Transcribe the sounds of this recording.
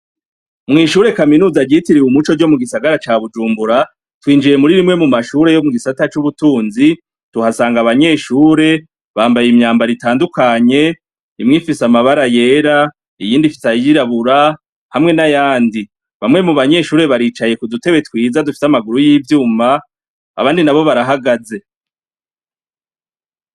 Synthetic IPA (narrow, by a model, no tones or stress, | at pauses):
mŋiːʃuːɾe̞kaminuːzaɾɟitiɾiwumut͡ʃo̞d͡ʒo̞muɡisaɡaɾat͡ʃaːβud͡ʒuːmbuɾa | twiːnd͡ʒije̞muɾiɾimŋe̞mumaʃuːɾe̞jo̞muɡisatat͡ʃuβutuːnzi | tuhasaːŋɡaβaɲe̞ːʃuːɾe̞ | βaːmbajimɲaːmbaɾitaːndukaɲe̞ | imŋifisamaβaɾaje̞ːɾa | ijiːndifi̥sajiɾaβuɾa | hamŋe̞najaːndi | βamŋe̞muβaɲe̞ʃuːɾe̞βaɾiːt͡ʃaje̞kudute̞βe̞twiːzadufi̥samaɡuɾujiːvjuːma̰ː | βaːndinaβo̞βaɾaɦaɡaze̞